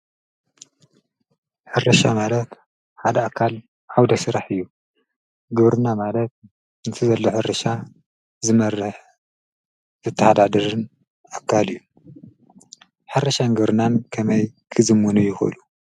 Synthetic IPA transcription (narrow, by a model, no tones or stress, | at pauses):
ħɨɾɐʃamalɐt̪ | ħad̪ɐakʰːal | ʔawd̪ɐsɨɾaħɨjːu | ɡɨβɾɨnamalɐt̪̚ | ɨnt̪ʰɨzɐlːoħɨɾɐʃa | zɨmɐrːɨħ | zɨt̪ʰːɐhad̪ad̪ɐɾɨn | akʰːalɨjːu | ħɨɾɐʃanɡɨβɾɨnankʰɐmɐjkʰɨzɨmwunujɪxʔɨ̰lu